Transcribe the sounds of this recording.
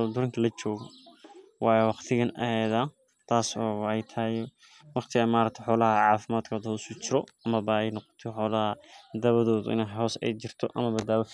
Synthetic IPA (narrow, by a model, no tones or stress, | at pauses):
d̪ʊɾɐŋkʰɐlɐt͡ʃɔːɣɔ | wɑːjwɑqt̪ʰɪɣɐnɐ̰hɛːðɐ | t̪ʰaːsɔːwħɑjt̪ʰɐj | wɑqt̪ʰɪɣɐmaːɾɐt̪ʰħɔːlɐhɐʕɑːfɪmaːd̪kʰɔːðʊsʊt͡ʃɪɾɔɐmɐβɐɛjnɔqɔ̥t̪ʰɔħɔːlɐhɐd̪ɐβɐðɔːðʊ̰ʔɪ̰nɛɦɔːsɛ̰jt͡ʃɪrt̪ʰɔʔɐ̰mɐbɐd̪baːwɔ